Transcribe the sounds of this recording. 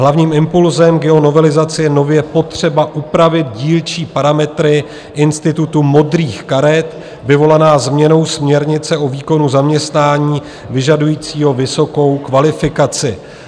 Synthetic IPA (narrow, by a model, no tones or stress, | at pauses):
ɦlavɲiːmɪmpulzɛmɡɛo̞no̞vɛlɪzat͡sɪjɛno̞vjɛpo̞t̪r̝̥ɛbaʔupɾavɪd̪̚ɟiːlt͡ʃiːpaɾamɛt̪ɾɪ | ʔɪnst̪ɪt̪ut̪umo̞d̪riːxkaɾɛt̪ | vɪvo̞lanaːzmɲɛno̞wsmɲɛɾɲɪt͡sɛʔo̞viːko̞nuzamɲɛst̪naːɲiː | vɪʒadujiːt͡siːɦo̞vɪso̞ko̞wkvalɪfɪkat͡sɪ